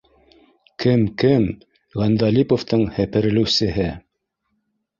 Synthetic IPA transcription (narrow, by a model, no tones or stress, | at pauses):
kɘmkɘm | ʁɑnd̪ɑlʲipoft̪ɤɴhɘ̆pɘ̆ɾɘ̆lɘ̆wsɘ̆ɦɘ